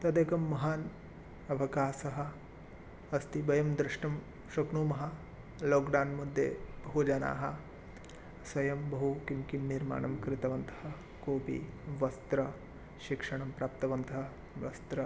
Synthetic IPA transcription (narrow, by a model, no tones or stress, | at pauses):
t̪ɐd̪ekɐmːɐɦaːn | ɐʋɐkaːsɐɦɐ̆ | ɐst̪ibɐjɐmd̪ɾɪʂʈɐm | ʃɐkɳuːmɐɦɐ̆ | loːkɖaːnmud̪ʱjḛːbɐɦud͡ʒɐna̰ːɦɐ | sʋɐjɐmbɐɦukimkimniɾma̰ːɳɐmkɾɪt̪ɐʋɐnt̪ʰɐ̥ɦɐ̆ | koːpḭʋɐst̪ɾɐ | ʃikʂɐɳɐmpɾaːp̚t̪ɐʋɐnt̪ɐɦɐ | ʋɐst̪ɾɐ